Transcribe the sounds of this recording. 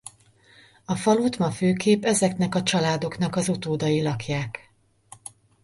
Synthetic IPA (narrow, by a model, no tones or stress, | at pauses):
ɒfɒlut̪mɒføːkeːpɛzɛknɛkɒt͡ʃɒlaːd̪o̞kn̪ɒkɒzut̪oːd̪ɒjilɒkjaːk